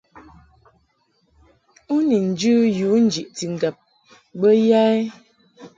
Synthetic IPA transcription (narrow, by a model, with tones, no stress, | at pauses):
u˦ni˨n̩˨d͡ʒʉ˦ju˨˦n̩˦d͡ʒi˨ʔti˨ŋ̩˨ɡɛ˨p̚ | bə˦ja˦e˦